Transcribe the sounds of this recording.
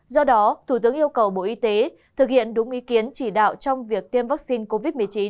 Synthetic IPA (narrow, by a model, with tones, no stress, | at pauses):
zɔ˧ɗɔ˨˦t̪ʰu˧˩t̪ɨ˨˦əŋʔi˧əwkə˨˩wɓo̰˧˨ʔi˧t̪e˨˦ | t̪ʰɨ˨˩k̚hḭ˧˨ənɗʊ˨˦ŋ͡mʔi˨˦ki˨˦ənt͡ɕi˧˩ɗa̰ː˧˨wt͡ɕɔ˧wŋ͡mvi˨˩ək̚t̪i˧mvaː˦˥k̚si˧nko˧vi˦˥t̚mɨ˨˩ət͡ɕi˨˦n